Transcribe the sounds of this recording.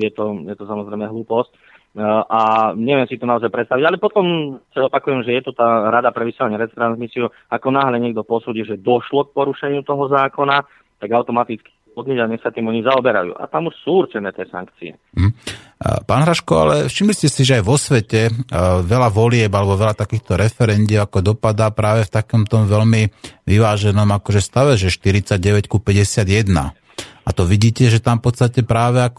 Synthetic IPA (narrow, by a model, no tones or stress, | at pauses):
jɛt̪ɔjɛt̪ɔsamɔzɾɛjmɛɦluːpɔsc | ʔaɲɛʋɪɛmsit̪ɔnaɔzajpɾɛt̪st̪aʋiɟalɛpɔt̪ɔmsaɔpakujɛmʒɛjɛt̪ut̪aːɾad̪apɾɛʋisɛlaɲɛɾɛt͡st̪ɾanzmisiu | akɔnaːɦlɛɲɛɡ̚d̪ɔpɔsuːɟilʒɛd̪ɔʃlɔk̚pɔɾuʃɛɲɪut̪ɔɦɔzaːkɔna | t̪aɡaʊt̪ɔmat̪it͡ski | ɔd̪ɲɛɟaɲɛsat̪iːmɔɲizaɔbɛɾa̰jṵːʔa̰t̪amuʃsuːurt͡ʃɛnɛːt̪ɪɛsa̰ŋkt͡siɛ̰ | m̩ɦm̩ | paːnɦɾaʃkɔa̰lɛfʃimliscɛsiʒɛajʋɔsʋɛcɛʋɛlaʋɔlɪɛbalɛbɔʋɛlat̪akiːxt̪ɔɾɛfɛɾɛnd̪ɪɛakɔd̪ɔpad̪apɾaːʋɛft̪akɔmt̪ɔmʋɛlmiʋiʋaːʒɛnɔmakɔʒɛst̪aʋɛʒɛʃt̪iɾit͡saɟ̚ɟɛʋɛckupɛɟɛsɪad̪jɛd̪na̰ | at̪ɔʋiɟiːcɛʒɛt̪amfpɔt̪st̪acɛpɾaːʋɛak